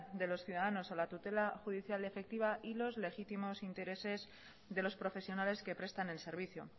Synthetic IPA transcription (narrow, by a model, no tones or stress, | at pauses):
ðe̞lo̞sθjuðaðano̞salat̪ut̪e̞laxuðiθjale̞fe̞k̚t̪iβ̞aʔilo̞zle̞xit̪imo̞sint̪e̞ɾe̞se̞z | ðe̞lo̞spɾo̞fe̞sjo̞nale̞skepɾe̞st̪ane̞lse̞ɾβ̞iθjo̰